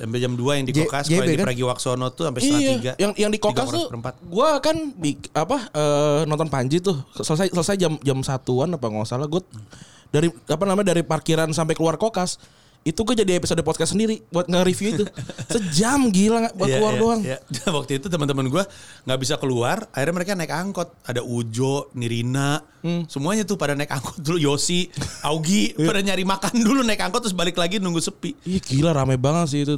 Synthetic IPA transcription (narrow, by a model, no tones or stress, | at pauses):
sampad͡ʒamduajaŋdid͡ʒokasɡebeikaəɾaɡiwaksonɔt̪ːusampajiaiɡajaŋjaŋdikokast̪uəmpat̪̚ɡuakanbikapaəːnɔnt̪ɔnpaɲd͡ʒit̪ʊhsələsajsələsajd͡ʒamd͡ʒamsat̪uanapaŋasalaɡua | daɾiapanamaɲdaɾiparkiɾansamp̬ajkəluarkokas | it̪uɡuad͡ʒadiepisodəpɔd̪̚kasəndiɾibuat̪̚ŋaɾifjuit̪ussəd͡ʒamɡilaŋaʔbakəuardoaŋjadawak̚t̪uit̪ut̪əmənt̪əmənɡuaŋɡaʔbis̬akəluarairɲaməɾekanaɪkaŋkɔt̪̚adaʔud͡ʒɔʔniɾinaʔ | səmuaɲat̪ʊhpadanaikaŋkɔ̥t̪̚dulujosiauɡiadaɲaɾimakandulunaɪkaŋkɔt̪ːɾʊs̬balɪklaɡinuŋɡusəpiijaɡilaɾamebaŋət̪sɪt̪u